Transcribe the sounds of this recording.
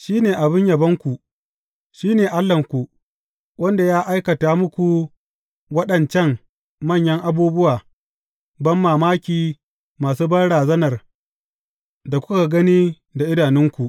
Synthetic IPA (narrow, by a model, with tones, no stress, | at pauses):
ʃiː˦neː˨ʔa˨bɪ˦ɲjɐ˨bɐ˦ŋkʷu˨ | ʃiː˦neː˨ʔa˦lːɐ˨ŋkʷu˨ | wɐ˦nda˨jaː˦ʔa˦jkɐ˨taː˨mʊ˦kʷu˨ | wɐ˦ɗɐ˨nt͡ʃɛ˦ŋ | mɐ˦˨ɲjɐ˦ŋʔa˨buː˦bʊ˦waː˨ | bɐ˦mːaː˨maː˦kʲiː˨ | maː˨s̬uː˦bɐ˦nɽaː˨zɐ˦nɐ˨r | da˨kʷʊ˦ka˨ɡɐ˦niː˦ | da˨ʔɪ˦daː˨nɪ˦ŋkʷu˨ʔ